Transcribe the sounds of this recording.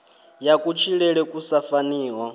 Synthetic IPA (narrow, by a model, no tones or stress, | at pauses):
jakʼut͡ʃʰiɺɛɺɛkʼusafaniːɦɔ